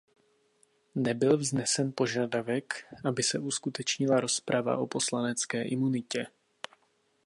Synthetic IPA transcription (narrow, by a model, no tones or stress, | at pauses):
nɛbɪlvznɛsɛnpo̞ʒadavɛkʔabɪsɛʔuskut̪ɛt͡ʃɲɪlaɾo̞spɾʔava̰ʔo̞po̞slanɛt͡skɛːʔɪmunɪcɛ